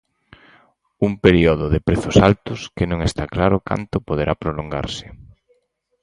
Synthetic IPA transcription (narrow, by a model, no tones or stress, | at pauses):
umpeɾioðʊðɪpɾeθʊsalt̪ʊskenõŋest̪aklaɾʊka̰nt̪ʊpoð̞eɾʔapɾoloŋɡa̰ɾsɪ̥